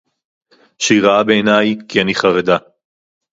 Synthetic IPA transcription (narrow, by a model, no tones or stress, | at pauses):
ʃiʁaabeenajkianiχaʁed̪a